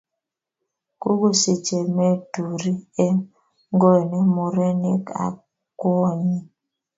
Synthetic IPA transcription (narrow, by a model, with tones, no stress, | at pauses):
ku˦ɡo˦se˨t͡ʃe˨me˦tu˨ɾi˦e˦ | ŋɡo˦˨ne˦mu˨ɾe˦ne˦ka̰˨ | kwɔ˦ɲi˦